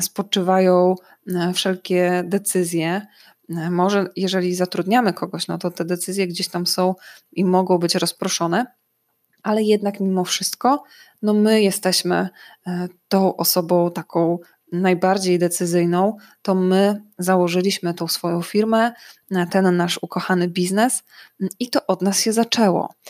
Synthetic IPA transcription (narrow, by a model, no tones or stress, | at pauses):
spɔt͡ʂɘvajɔ̃w̃ | fʂɛlkʲɛd̪ɛt̪sɘzʲjɛ | mɔʐɛjɛʐɛlʲizat̪ɾud̪ɲamɘkʰɔɡɔɕnɔt̪ɔt̪ɛd̪ɛt̪sɘzʲjɛɡd͡ʑeɕt̪amsɔ̃w̃imɔɡɔ̃w̃bɘt͡ɕɾɔspɾɔʂɔnɛ | ʔalɛjɛd̪nakmʲimɔfʂɘst̪kɔ | nɔmɘjɛst̪ɛɕmɘ̰ | t̪ɔ̃w̃ʔɔsɔbɔ̃w̃t̪akɔ̃w̃ | najbaɾd͡ʑejd̪ɛt̪sɘzɘjnɔ̃w̃ | t̪ɔmɘzawɔʐɘlʲiɕmɘt̪ɔ̃w̃sfɔjɔ̃w̃fʲiɾmɛt̪ɛnːaʂukɔxanɘbʲiznɛsit̪ɔʔɔd̪nasɕɛzat͡ʂɛwɔ̰